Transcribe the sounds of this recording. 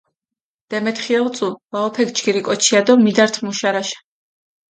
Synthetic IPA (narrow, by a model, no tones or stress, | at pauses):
d̪̥ɛmɛt̪χiɛlt̪sʼuvaɔpʰɛɡt͡ʃɡiɾikʼɔt͡ʃʰiad̪ɔmid̪aɾt̪ʰmuʃaɾaʃḁ